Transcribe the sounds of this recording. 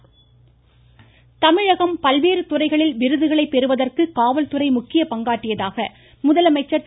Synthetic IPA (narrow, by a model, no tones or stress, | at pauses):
t̪ɐmɪɻɐɣɐmpɐlʋeːɾɯt̪ʊrɐɪɣɐɭɪlʋɪɾɯðɯɣɐɭɐɪpːɛɾɯʋɐðɐrkɯkaːʋɐlt̪ɯrɐɪmʊkːɪjɐpɐŋɡaːʈːɪjɐðaːɣɐ | mʊðɐlɐmɐɪt͡ʃːɐ